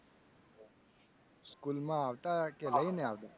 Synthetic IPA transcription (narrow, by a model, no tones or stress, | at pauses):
skulmãaʋt̪akeləineaʋd̪a